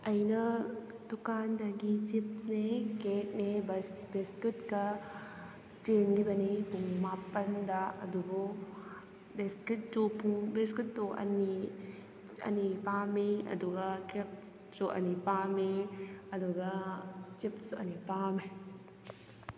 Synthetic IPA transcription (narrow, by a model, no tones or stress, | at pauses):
ɐjnɐ | dukandɐɡit͡ʃip̚snekek̚nebbeskutkɐ | t͡ʃenɡibɐnipuŋmapːɐndɐɐ̰dubu | beskut̚tupʰuŋbeskut̚ːuʔɐ̰ni | ɐ̰nipamiɐ̰duɡɐkek̚ | suʔɐ̰nipamiɐduɡɐt͡ʃip̚suɐnipame